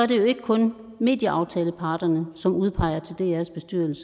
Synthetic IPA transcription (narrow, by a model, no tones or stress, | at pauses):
æɐɾe̝jo̝e̝ɡ̥əkʰɔ̽n | me̝̰ːd̥jəʔɑ̈ʊt͡sʰɛːləpʰɑ̈ːd̥ɐnəsɒ̽muð̞ˠpʰɑ̈ɪ̰ɐt͡sʰe̝ld̥e̝æɐsb̥e̝sd̥yɐ̰l̩sə̥